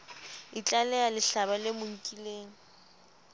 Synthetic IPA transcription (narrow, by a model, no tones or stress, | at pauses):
it͡ɬʼalɛalɪɬabalɪmʊŋ̩kʼileːŋ̩